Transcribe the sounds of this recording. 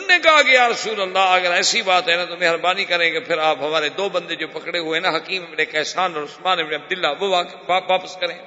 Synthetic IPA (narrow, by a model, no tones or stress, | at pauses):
nːekɐɦakɪjaːɾɐsuːləlːaɐɡəɾɛːsibaːt̪ɦɛnãt̪omeɦɾbaːnikɐɾẽkepʰɪɾaːpɦɐmaːɾed̪oːbɐ̃nd̪ed͡ʒoːpɐkɽeɦʊenãɦɐkiːmebnekɛːsaːnɔːɾʊsmaːnebneɐb̚d̪ɪlːaʋoaːkː | ʋaːpəskɐɾẽ